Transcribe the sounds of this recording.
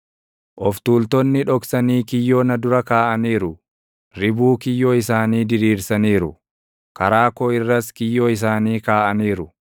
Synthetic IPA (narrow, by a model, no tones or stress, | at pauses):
ʔɔft̪uːlt̪ɔnːɪᶑɔksɐniːkɪjːoːnɐd̪ʊɾɐkaːʔɐniːɾʊ | ɾɪbuːkɪjːoːɪsaːniːd̪ɪɾiːɾsɐniːɾʊ | kɐɾaːkoːɪrːɐskɪjːoːɪs̬aːniːkaːʔɐniːɾʊ